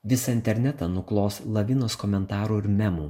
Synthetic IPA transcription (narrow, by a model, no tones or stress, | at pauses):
ʋʲɪsɑɪnʲt̪ʲɛɾʲnʲæt̪ɑnʊklˠoːslˠɐʋʲɪnoːskɔːmʲɛnt̪ɑːɾuːɪɾmʲæmuː